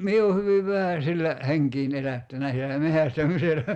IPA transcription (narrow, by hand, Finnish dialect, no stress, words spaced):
mie o hyʋiʋ ʋæhæ silːæ heŋkiːn elætːænæ silːæ mehæstæmiselːæ